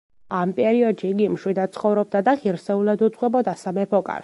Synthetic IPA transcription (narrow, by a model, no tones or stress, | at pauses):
ampʼɛɾiɔd̪ʃiːɡimʃwid̪at̪t̪sʰχɔvɾɔb̚d̪ad̪aχiɾsɛulad̪ud̪zʼʁwɛbɔd̪asamɛpʰɔkʼa̰ɾ